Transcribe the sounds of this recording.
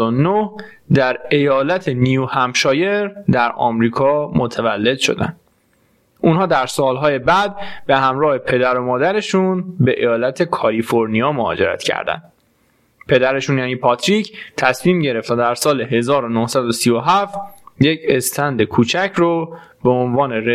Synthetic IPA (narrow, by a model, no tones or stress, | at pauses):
onoh | d̪æɾe̞jɒːlæt̪ʰe̞niuhæmʃɒːje̞ɾd̪æɾɒ̰ːmɾiːkʰɒːmot̪ʰævælːe̞d̪ʃo̞̰d̪æ̰nd̪̥ | ʔuːnhɒːd̪æɾsɒːlɦɒːjebæd̪̚be̞hæmɾɒːhe̞pʰe̞d̪æɾo̞mɒːd̪æɾe̞ʃunbe̞ʔejɒːlæt̪ʰe̞kʰɒlifoɾnijɒːmohɒ̰ːd͡ʒe̞̰ɾæ̰t̪ʰcʰæ̰ɾd̪æ̰nd̪̥ | pʰe̞d̪æɾe̞ʃunjæːniːpʰɒt̪ʰɾicʰt̪ʰæsmiːmɟe̞ɾe̞ft̪æd̪æɾsɒːle̞ɦe̞zɒːɾo̞nohsæd̪osijoɦæft̪jecʰe̞st̪ʰænd̪e̞kʰuːt͡ʃʰæcʰɾo | beonvɒːne̞ɾe